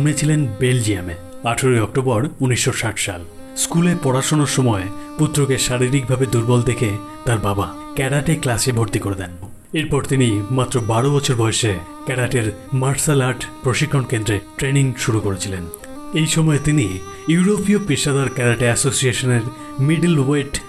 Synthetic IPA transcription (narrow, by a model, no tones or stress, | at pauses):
mnet͡ɕʰilenbeld͡ʑiame | aʈʰoɾoeɔk̚ʈobɔɾuniʃːoʃaʈʃa̰l | skulepɔɽaʃonoɾʃɔmɔeput̪ːɾokeʃaɾiɾik̚bʱabed̪uɾbɔld̪ekʰe | t̪aɾbaba | kɛɾaʈeklasebʱoɾt̪ikoɾed̪ɛn | eɾpɔɾt̪inimat̪ːɾobaɽobɔt͡ɕʰoɾbɔjoʃe | kɛɾaʈeɾ | maɾsalaʈpɾoʃikʰːonkend̪ɾeʈɾeniŋʃuɾukoɾet͡ɕʰilen | ejʃɔmɔet̪ini | juuɾopiopiʃad̪ʱaɾkɛɾaʈeɛsosieʃoneɾ | miɖelwejʈ